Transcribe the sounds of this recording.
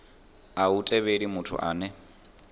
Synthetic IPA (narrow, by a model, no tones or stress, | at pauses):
autʼɛβedimʊtʰʊ̰ʔa̰ːnɛ